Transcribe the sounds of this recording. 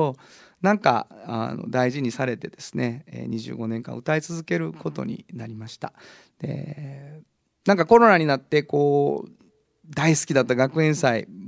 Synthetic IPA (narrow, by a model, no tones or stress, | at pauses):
onãŋka̰a̰no̞̰d̪aiʑiɲ̟isaɾe̞t̪e̞d̪̥e̞sɨ̥ne̞ḛːɲ̟iʑɨ̰ːɡo̞nẽŋkã̰ɯ̟t̪ait͡sɨzɨke̞ɾɯ̟ko̞t̪o̞̰ɲ̟ḭnaɾʲimaɕi̥t̪a | d̪̥e̞̰ | nãŋkako̞ɾo̞naɲ̟inat̪ːe̞ko̞ː | d̪aisɨ̥kʲid̪at̪ːaɡakɯ̟ẽ̞ɰ̃sai